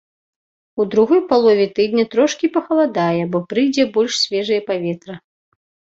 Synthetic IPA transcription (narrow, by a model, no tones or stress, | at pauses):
ud̪ɾuɣɔjpalˠɔvʲɛt̪ɨd̪nʲɐt̪ɾɔʂkʲipɐxɐlˠad̪ajɛbɔpɾɨjd͡zʲɛbɔlʲʂsʲvʲɛʐɐjɛpavʲɛt̪ɾɐ